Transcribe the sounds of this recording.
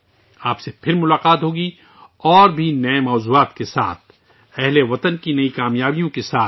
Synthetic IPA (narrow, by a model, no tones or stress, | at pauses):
aːpsepʰɪɾmʊlaːqaːt̪ɦoːɡi | ɔːɾbʱinɐemɔːzuːaːt̪kesa̰ːt̪̚ʰ | ɛɦleʋɐt̪ənkinɐikaːmjaːbijõkesaː